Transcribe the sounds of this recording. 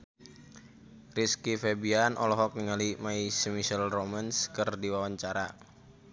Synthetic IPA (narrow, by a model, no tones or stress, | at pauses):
riskifebianʔɔ̰lɔɦɔk̚niŋalimaisəmiʃɛlromanskɨrdiwawaɲt͡ʃaɾa